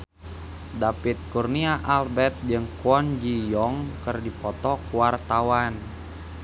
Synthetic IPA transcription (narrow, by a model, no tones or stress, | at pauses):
dapit̪̚kurniaʔalbɛt̪̚d͡ʒɨŋkuɔnd͡ʒijɔŋkɨrdipɔt̪ɔkuwart̪awan